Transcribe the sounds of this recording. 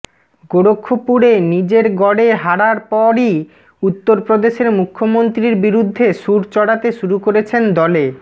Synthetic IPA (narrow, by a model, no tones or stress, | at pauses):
ɡoɽokʰːopuɽenid͡ʑeɾɡɔɽeɦaɽaɾpɔɾi | ut̪ːoɾpɾod̪eʃeɾmukʰːomont̪ɾiɾbiɾud̪ʱːeʃuɾt͡ɕɔɽat̪eʃuɾukoɾet͡ɕʰend̪ɔle